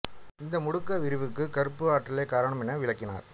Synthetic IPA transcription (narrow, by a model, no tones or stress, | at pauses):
ɪnd̪ɐmʊɽʊkːɐʋɪɾɯʋɯkːɯkɐɾɯpːɯaːʈːɪleːkaːɾɐɳɐmɛnːɐʋɪɭɐkːɪna̰ːɾ